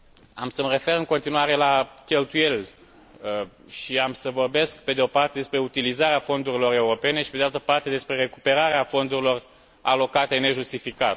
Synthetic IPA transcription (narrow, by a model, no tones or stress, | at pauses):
amsəməre̞fe̞rɨŋko̞nt̪inuaɾe̞lakʲe̞lt̪uje̞lʲ | ə | ʃiamsəvo̞rbe̞skpe̞d̪eo̞part̪e̞d̪e̞spɾe̞ut̪ilizaɾeafo̞nd̪uɾilo̞ɾe̞uɾo̞pe̞ne̞ʃi̥peealt̪əpart̪e̞d̪e̞spɾe̞re̞kupe̞ɾaɾeafo̞nd̪uɾilo̞r | a̰lo̞kat̪e̞ne̞ʒust̪ifikat̪